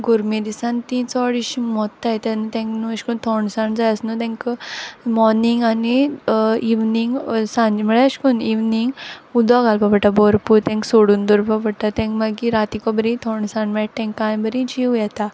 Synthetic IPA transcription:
ɡuɾmid̪isãnt̪it͡sɔɽiɕimɔt̪ːajt̪ɛ̃nut̪ɛ̃ŋknuəɕkunt̪ʰɔɳsãɳd͡zajəsnut̪ɛ̃ŋk | mɔɾniŋɡani | iʋniŋɡsãɲd͡ʑməɭɛəɕkuniʋniŋɡud̪ɔɡalpapəʈːabɔɾpuɾt̪ɛ̃ŋksoɽuːnd̪uɾpapəʈːat̪ɛ̃ŋkmaɡiɾat̪ikɔbəɾĩt̪ʰɔɳɖsãɳɖmɛʈ̚t̪ɛ̃ŋkːãjbəɾĩd͡ʑiwjɛt̪a

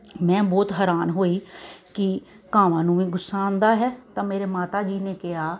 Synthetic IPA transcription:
mɛ̃ːbɔːt̪ɦɛːɾaːnɦoːiːkɪ | kaːʋãːnũːʋĩːɡʊsːaːnd̪aːɦɛːt̪ãːmeːɾeːmaːt̪aːd͡ʒiːneːkɪjaː

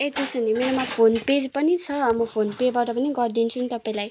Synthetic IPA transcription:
et̪esʌnimeɾomapʰonped͡zpʌnit͡sʰʌmʌpʰonped͡zbaʈʌpʌniɡʌrd̪int͡sʰunit̪ʌpaĩlaj

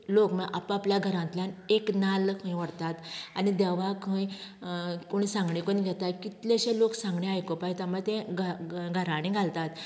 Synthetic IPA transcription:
lokmeʔapapljaɡʱəɾãnt̪ljaneknalkʰə̃jʋəɽt̪at̪anid̪ɛʋakʰə̃j | koɳ̃isãŋɡɳẽkoniɡʱɛt̪atkit̪leɕeloksãŋɡɳẽajkopajt̪amət̪ẽɡɡʱəɾaɽ̃ĩɡʱalt̪at̪

